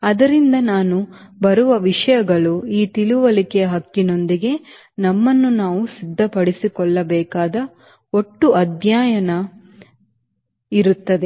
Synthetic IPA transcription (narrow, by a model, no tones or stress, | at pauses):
ɐd̪ɐɾind̪ɐnaːnubɐɾuʋɐʋiʂɐjɐɡɐɭuiːt̪iluʋɐlikɛjɐɦɐkːino̞nd̪iɡe̞ | nɐmːɐnːunaːʋusid̪ʱːɐpɐɽisikɔɭːɐbɛːkaːd̪ɐ | oʈːuʔɐd̪ʱjaːjɐnɐ | iɾut̪ːɐd̪e